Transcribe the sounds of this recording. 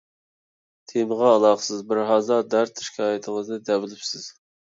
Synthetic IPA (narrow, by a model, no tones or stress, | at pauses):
t̪ʰemɨʁɑːlˠɑχsɨzbɪɾɦɑzɑɾd̪æɾt̪ʰʃi̥kʲʰɑːjɪt̪ʰəŋəznɨd̪ɛwɪlɪpsɪz̥